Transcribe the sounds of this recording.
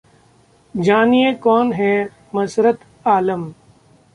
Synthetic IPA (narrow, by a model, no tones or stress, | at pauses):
d͡ʒaːnijekɔːnɦɛ | mɐsɾət̪ | aːləm